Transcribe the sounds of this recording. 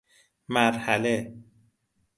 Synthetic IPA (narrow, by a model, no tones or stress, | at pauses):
mæɾhæle